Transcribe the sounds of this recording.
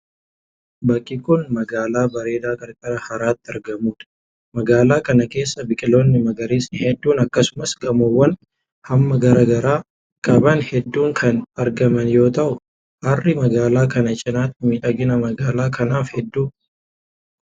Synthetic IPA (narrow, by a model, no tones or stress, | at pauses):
bɐkʼːɪkʊnmɐɡaːlaːbɐɾe̞ːd̪aːkʼɐɾkʼɐɾɐhɐɾaːt̪ːɪɐɾɡɐmuːᶑ̪ɐ̥ | mɐɡaːlaːkɐnɐke̞ːsːɐbɪkʼɪlo̞ːnːɪmɐɡɐɾeːsɪhɛd̪ːuːnɐkːɐsʊmɐsɡɐmɔwːɐn | hɐmːɐɡɐɾaːɡɐɾaː | kʼɐbɐnhɛd̪ːuːŋkʰɐnɐɾɡɐmɐnjo̞ːt̪ɐʔʊ | ʔɐrːɪmɐɡaːlaːkɐnɐt͡ʃʼɪnaːt̪ːɪmiːᶑɐɡɪnɐmɐɡaːlaːkɐnaːfhɛd̪ːuː